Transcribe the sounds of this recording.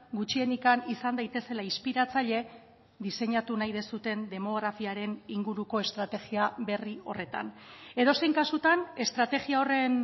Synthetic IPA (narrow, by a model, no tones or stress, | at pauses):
ɡut͡ʃie̞nikanisand̪ajt̪e̞se̞laispiɾat͡saʎe̞ | ðise̞ɲat̪unajðe̞sut̪e̞nd̪e̞mo̞ɣ̞ɾafiaɾe̞niŋɡuɾuko̞e̞st̪ɾat̪e̞ɣiaβe̞rio̞̰re̞t̪a̰ne̞ðo̞se̞jŋkasut̪ane̞st̪ɾat̪e̞ɣiao̞re̞n